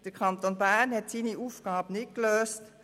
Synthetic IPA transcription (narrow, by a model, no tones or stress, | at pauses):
d̥əkʰɑnt̪onbænhɛtsiːniʔuːfɡ̥aːbənɪt̚kløːst